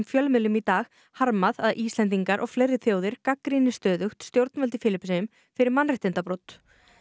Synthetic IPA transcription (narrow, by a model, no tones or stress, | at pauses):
mfjœlmɪlːʏmit̪aːɣ | haɾmaðaðʔiːst̪ɛnt̪̬iŋkaɾʔɔɣflejɾɪθjoːwðɪɾ̥kakɾinɪst̪œːðʏxt̪st̪jowɾt̪nvœlt̪ɪ̥fɪːlɪpsɛʏm | fɪɾɪɾmanrɪht̪ɪnt̪apɾowt̪